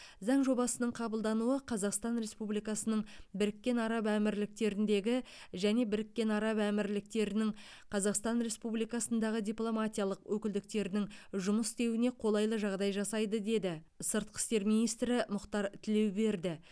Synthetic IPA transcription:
zɑɴʒo̞bɑsənəɴqʰɑbəlˠd̪ɑnuəqʰɑzɑqst̪ɑnɾe̞spublijkɑsənəɴbɪɾɪkʲːe̞nɑɾɑpæmɪɾlɪk̚t̪e̞ɾɪnd̪e̞ɡʲɪ | ʒæne̞bɪɾɪkʲːe̞nɑɾɑpæmɪɾlɪk̚t̪e̞ɾɪnɪŋ | qʰɑzɑqst̪ɑnɾe̞spublijkɑsənd̪ɑʁəd̪ʲijplˠo̞mat̪ʲijɑlˠəqwʔɵkʲɪld̪ɪk̚t̪e̞ɾɪnɪŋʒʊməst̪e̞wɪne̞qʰo̞lˠɑjlˠəʒɑʁd̪ɑjʒɑsɑjd̪əd̪e̞d̪ɪ | səɾt̪̚qʰə̥st̪e̞ɾmijnijst̪ɾɪmʊqt̪ɑɾt̪ʰɪle̞wbe̞ɾd̪ɪ

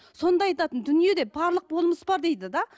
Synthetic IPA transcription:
so̞nd̪ɑɑjt̪ɑt̪ənd̪ʏnije̞d̪e̞bɑɾlˠəq̚bo̞lˠməsbɑɾd̪e̞jd̪ɪd̪ɑ

